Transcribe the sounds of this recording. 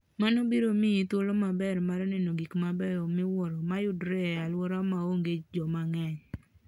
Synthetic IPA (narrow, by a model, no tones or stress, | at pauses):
manobiɾomiit̪olomabɛɾmaɾnɛnoɡikmabɛɾɔmɪwɔɾɔmajʊdɾɛalwɔɾamaoŋɡet͡ʃd͡ʒɔmaŋɛɲ